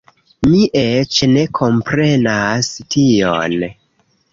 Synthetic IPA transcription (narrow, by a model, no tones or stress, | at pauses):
miʔet͡ʃne̞kʰo̞mpɾe̞nastʰio̰n